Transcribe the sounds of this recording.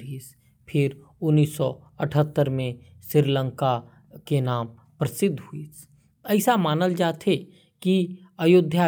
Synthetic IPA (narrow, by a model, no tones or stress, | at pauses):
iːs | pʰɪɾ | ʊnːiːsːɔ | əʈʰət̪ːəɾmẽʃɪɾlə̃ŋka | kenaːm | pɾɐsɪd̪ʱɦuis | ɛɪsamaːnəld͡ʒaːt̪ʰe | ki | ɐjʊd̪ʱja